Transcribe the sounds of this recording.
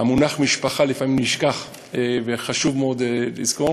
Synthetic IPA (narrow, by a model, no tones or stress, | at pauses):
amunaχmiʃpaχalifamimniʃkaχ | eveχaʃuvmeod̪elḭzko